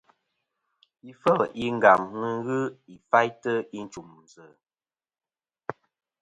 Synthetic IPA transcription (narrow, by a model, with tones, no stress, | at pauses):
i˨fə˦˨li˦ŋ̩˨ɡa˨ŋnə˦ɣɨ˦i˨fa˦jtə˦i˦n̩˦t͡ʃu˨mn̩˨zə˨